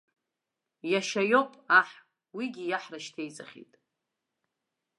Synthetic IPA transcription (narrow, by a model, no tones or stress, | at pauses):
jaʃajopʼaħ | wiɡʲijaħraʃtʰejt͡sʼaχʲḭtʼ